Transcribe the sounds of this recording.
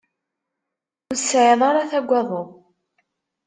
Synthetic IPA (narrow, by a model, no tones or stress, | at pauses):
ʊɾsʕɪðˤɑɾɑθæɡʷːɑðˤo